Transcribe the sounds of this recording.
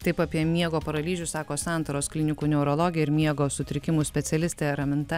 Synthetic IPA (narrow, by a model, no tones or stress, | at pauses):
t̪ɐɪpɑːpʲiɛmʲiɛɡoːpɐɾɐlʲiːʒʲʊsɑːkoːsɑˑnt̪ɐɾoːsklʲɪnʲɪkuːnʲɛʊɾoːlˠoːɡʲɪjɛɪɾmʲiɛɡoːsʊt̪ʲɾʲɪkʲɪmuːsʲpʲɛt̪sʲɛlʲɪsʲt̪ʲeːɾɐmʲɪnt̪ɐ